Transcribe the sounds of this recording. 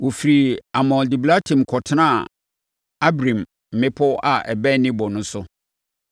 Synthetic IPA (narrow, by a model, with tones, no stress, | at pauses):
wɔ˨fi˨ɾi˨a˨mɔ̃˨ldi˨bla˦tʰĩ˨mkʰɔ˨tʰɪ˦nã˦˨ | a˦bɾĩ˨m | m̩˨mɪ̃˦pʰɔ˦a˨ɛ̰˨bɛ˦nɪ̃˦bɔ˨nʊ̃˦sʊ˦